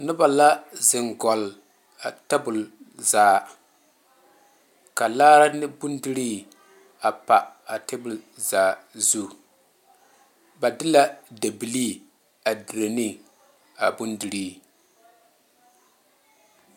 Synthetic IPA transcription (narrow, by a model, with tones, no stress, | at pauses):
nʊ˦ba˨la˦zɪ˨ŋɡɔ˨l | a˨tɛ˦bʊ˨l | zaː˨ | ka˨laː˦ɾa˦nɪ˦bʊ˦ndi˦ɾiː˦ | a˨pa˨a˨tɛ˦bʊ˨lzaː˨zu˦ | ba˨dɪ˦la˦da˨bi˨li˦ | a˨di˨ɾe˨ni˦ | a˨bu˦ndi˨ɾi˦